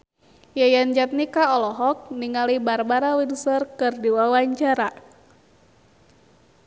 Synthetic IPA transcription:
jajand͡ʒat̪̚nikaɔlɔɦɔk̚niŋalibarbaɾawinsərkɨrdiwawaɲt͡ʃaɾa

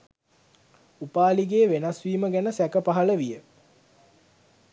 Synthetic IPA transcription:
upaːliɡeːʋenasʋiːməɡænəsækəpaɦɐləʋijə

